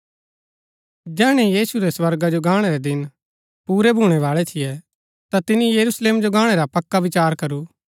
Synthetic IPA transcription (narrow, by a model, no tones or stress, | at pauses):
d͡ʒɛːɽ̃ɛjiːsuɾɛsʋɐɾɡad͡ʒoɡaːɽ̃ɛɾɛd̪ɪn | puːɾɛbʱuːɽ̃ɛʋaːɭɛt̪ʰɪjɛ | t̪at̪ɪnijɐɾusleːmd͡ʒoɡãːɽ̃ɛɾapɐkːaʋɪt͡ʃaːɾkɐɾuː